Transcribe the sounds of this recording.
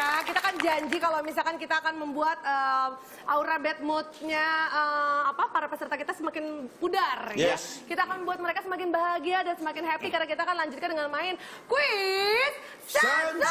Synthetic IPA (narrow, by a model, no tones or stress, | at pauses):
jakit̪aːkand͡ʒaɲd͡ʒikalomis̬alkankit̪aːkanməmbuat̪̚əː | ʔauɾabɛt̪̚mʊt̪̚ɲaəːpapaɾapəsərt̪akit̪asəmakɪnpudarjakit̪aːkanməmbuat̪̚məɾekasəmakɪnbaɦaɡiadansəmakɪnɦɛp̪ikarɾnakit̪akanlaɲd͡ʒʊt̪kandəŋanmaɪn | kuit̪̚ | a